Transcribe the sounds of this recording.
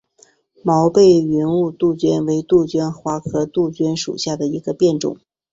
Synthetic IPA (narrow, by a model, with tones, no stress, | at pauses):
mɑ˧˥ʊpe˥˩ɪɥɛ˧˥nu˥˧t̪u˥˩t͡ɕɥɛ˥nwe˧˥ɪt̪u˥˩t͡ɕɥɛ˥nxwa˧˥kʰɤ˧˥t̪u˥˩t͡ɕɥɛ˥nʂṵ˨˩ɕja˥˩d̪ə˩i˧˥ɡə˧pjɛ˥˩nʈ͡ʂʊ̰˨˩˦ŋ